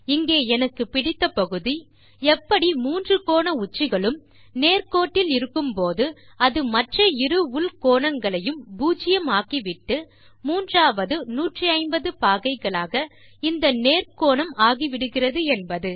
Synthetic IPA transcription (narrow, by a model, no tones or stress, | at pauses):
ɪŋɡeːɛnɐkːɯpɪɽɪt̪ːɐpɐɣɯði | ɛpːɐɽimuːndrɯkoːɳɐʊt͡ʃːɪɣɐɭɯm | neːrkoːʈːɪlɪɾɯkːɯmpoːðɯɐðɯmɐʈrɐɪɾɯʋʊlkoːɳɐŋɡɐɭɐjɯmbuːt͡ʃɪjɐmaːkiʋɪʈːɯ | muːndraːʋɐðɯnuːʈrɯɐɪmbɐðɯpaːɣɐɪɣɐɭaːɣɐ | ɪnd̪ɐneːrkoːɳɐmaːɣiʋɪɽɯɣɪrɐðɯɛnbɐðɯ